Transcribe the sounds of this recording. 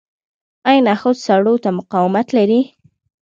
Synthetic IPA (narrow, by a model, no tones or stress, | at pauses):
ajnaxod̪saɽot̪amʊqɑwɪmat̪laɾi